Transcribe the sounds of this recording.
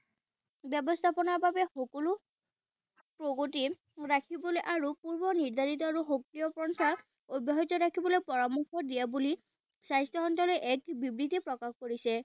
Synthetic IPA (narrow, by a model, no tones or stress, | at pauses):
bjɔbɔst̪ʰapɔnaɹbabɛxokɔlu | pɹoɡoti | ɹakʰibɔlojʔaɹupuɹbɔniɹd̪ʱaɹit̪ɔaɹuxok̚lijɔpɹɔntʰa | obaɦɔtɔɹakʰibɔlojpɔɹamuxɔdijabuli | sajstɔɦɔntɔlojʔɛkbibɹitɛpɹɔkaxkoɹisɛ